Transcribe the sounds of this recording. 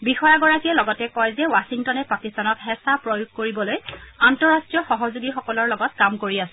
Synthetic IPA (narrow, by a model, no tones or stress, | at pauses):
bixɔjaɡɔɹakijɛlɔɡɔtɛkɔjzɛwasiŋtɔnɛpakistanɔkɦɛsapɹojuɡ̚koɹibɔlojantɔɹastɹijɔxɔɦɔzuɡixɔkɔlɔɹlɔɡɔtkamkoɹiasɛ